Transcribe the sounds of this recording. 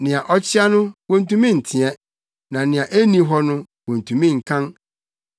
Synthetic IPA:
nɪ̃˨a˨ʔɔ˦t͡ɕʰɪ˦a˦nʊ̃˦wɔ̃˦n˨tũ˦mĩ˦n̩˨tʰɪ̃˨ɛ̃˦ | nã˨nɪ̃˨ã˨ʔe˦nĩ˨ɦɔ˦nʊ̃˦ | wõ˨n̩˨tʰũ˨mĩ˦ŋ̩˨kʰã˦n

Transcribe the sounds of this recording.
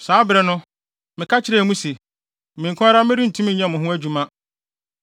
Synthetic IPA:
saː˨˦bɾɛ˨nʊ̃˦ | mɪ̃˨kʰa˦t͡ɕʰɪ˦ɾɛ˦˨mũ˦se˨ | mĩ˨ŋkʰʊ̃˦a˦ɾa˦mɪ̃˦ɾi˦n̩˨tʰũ˦m̃˦ɲã˦˨mʊ̃˨ɦʊ̃˦æ˦d͡ʑu˨mã˦

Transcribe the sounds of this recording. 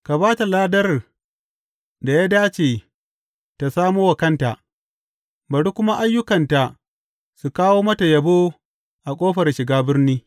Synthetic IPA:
ka˨baː˦ta˨laː˦dɐ˦r | da˨jaː˦daː˦t͡ʃeː˨ | ta˨saː˦moː˦wa˨kɐ˦nta˨ʔ | bɐ˨ɽu˦kʷʊ˦ma˦ʔa˦jːʊ˦kɐ˨nta˨ | su˨kaː˦woː˦mɐ˦ta˨jɐ˨boː˦ | ʔa˨kʷʼoː˦ɸɐ˨rʃɪ˨ɡaː˦bɪ˦rniː˦

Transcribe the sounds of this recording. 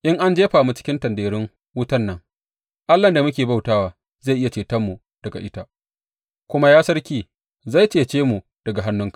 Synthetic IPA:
ʔɪ˦ŋʔa˦nd͡ʒeː˦ɸaː˨mu˦t͡ʃɪ̥˦kʲɪ˦ntɐ˨ndeː˨ɾɪ˦ŋ | wʊ˦tɐ˦nːɐ˦ŋ | ʔa˦lːɐ˨nda˨mʊ˦kʲeː˨ba˦wtaː˦waː˨˦ | za˦˨jʔɪ˦ja˨t͡ʃeː˨tɐ˦mːu˨ | d̥ɐ˨ɡa̰˨ʔɪ˦ta˦ | kʷʊ˦ma˦jaː˦sɐ˦rkʲiː˨ | za˦˨jt͡ʃeː˨t͡ʃeː˦mu˨ | d̥ɐ˨ɡa˨ɦa˦nːʊ˦ŋkḁ˨

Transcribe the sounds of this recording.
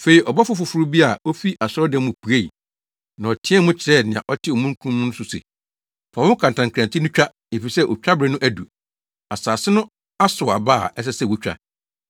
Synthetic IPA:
fe˨i˨ʔɔ˨ba˦fʊ˦fʊ˨fʊ˨˦ɾu˦bi˦a˨o˦fi˦a˨sɔ˦dɛ̃˦mʊ̃˨pʰu˨e˦˨ḭ˨ | nã˨ɔ˨tʰɪ̃˦ɛ˦mʊ̃˦t͡ɕʰɪ˨ɾɛ˦˨nɪ̃˨ã̰˨ʔɔ˦tʰɪ˦ɔ˨mũ˦ŋ˦kʰũ˦mːʊ̃˦nʊ̃˦sʊ˦sḛ˨ | fa˨wʊ̃˦kʰã˨n˨tã˨ŋkʰã˨ntʰi˦nʊ̃˦t͡ɕᶣa˦ | e˨fi˨sɛ˦ʔɔ˨t͡ɕᶣɾa˦bɾɪ˨˦nʊ̃˦ʔæ˦du˨ | a˨saː˨sɪ˦nʊ̃˦ | a˦sʊ˨a̰˨baː˦˨ɛ˦s̬ɛ˦sɛ˦˨wu˦t͡ɕᶣɾa̰˨

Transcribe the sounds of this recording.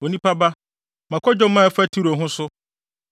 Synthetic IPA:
o˨nĩ˦pʰa˦ba˦ | mã˨kʰɔ˦d͡ʑɔ˦mã˦˨fæ˦tʰi˦ɾo˨ɦʊ̃˦sʊ˦

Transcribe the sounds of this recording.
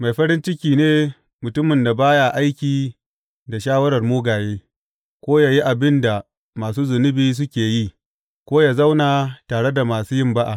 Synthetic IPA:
ma˨jɸɐ˦ɾɪ˦nt͡ʃɪ˦kʲiː˨neː˦ | mʊ˨tʊ˦mɪ˨nda˨baː˦ja˨ʔa˦jkʲiː˨ | da˨ʃaː˦wɐ˦ɽɐ˨rmuː˦ɡaː˨jeː˦ | kʷoː˦jaː˨ji˦ʔa˨bɪ˦nda˨ | maː˨s̬uː˦zʊ˨nɪ˦biː˦s̬ʊ˦kʲeː˨ji˦ | kʷoː˦jaː˨za˦wnaː˨taː˨ɽe˦da˨maː˨suː˦jɪ˦mba˦ʔa˨ʔ

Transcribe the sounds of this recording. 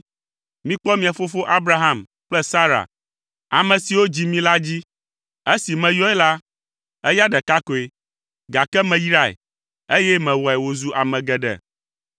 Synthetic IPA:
mĩ˦k͡pɔ˦mĩ˨a˨fo˦fo˦ʔa˦bɾa˦ɦa˦m | k͡plɛ˦sa˦ɾa̰˨ | a̰˨mɛ̃˨si˨wo˦d͡ʑi˨mĩ˦la˦d͡ʑi˦ | e˦si˨mɛ̃˨jɔ˦ɛ˦la˦ | ɛ˦ja˦ɖɛ˨ka˦ko˨e˨ | ɡa˨kɛ˦mɛ̃˨ji˦ɾa˦˨ḛ˨ | e˦jɛ˦mɛ̃˨wɔ˨ɛ˨wo˨zu˦ʔa˨mɛ̃˨ɡɛ˨ɖɛ̰˨

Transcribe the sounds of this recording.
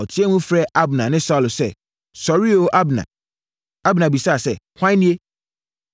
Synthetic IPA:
ɔ˨tʰi˦ɛ˦mũ˦fɾɛ˦ʔa˦bnã˨nɪ̃˦sa˦˨lsɛ̰˦ | sɔ˨ɾi˦o˨ʔa˦bnã̰˨ | a˦bnã˨bi˨sa˦a˨sɛ˦˨hʷã˦nĩ˦e˦

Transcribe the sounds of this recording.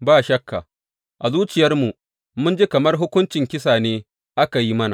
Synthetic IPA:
baː˦˨ʃɐ˦kːa˨ | ʔa˨zuː˦t͡ʃɪ˨jɐ˦rmu˨ | mʊ˦nd͡ʒi˦kɐ˨mɐ˦rɦʊ˦kʷʊ˦nt͡ʃɪ˨ŋkʲɪ˦saː˨neː˦ | ʔa˦ka˨ji˦mɐ˦na̰˨

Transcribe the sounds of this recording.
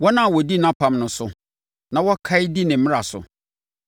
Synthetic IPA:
wɔ˦nã˦˨wɔ˨di˦nã˦pʰã˦mnʊ̃˨sʊ˨ | nã˨wɔ˦kʰa˦ɪ˦di˦nɪ̃˨m̩˦mɪ̃˦a˨sʊ̰˨

